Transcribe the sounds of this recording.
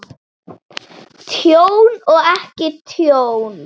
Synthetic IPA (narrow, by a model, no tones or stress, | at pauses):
t̪ʰjownɔɣɛhcɪt̪ʰjown